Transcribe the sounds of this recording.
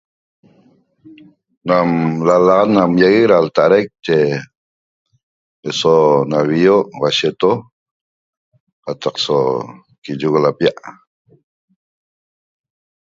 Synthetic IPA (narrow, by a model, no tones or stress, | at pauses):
namlalaʁat̪namjaɣekɾalt̪aʔɾajk̚t͡ʃe | esonaβioʔwaʃet̪o | qat̪ɑqso | kid͡ʒuɣolapijaʔ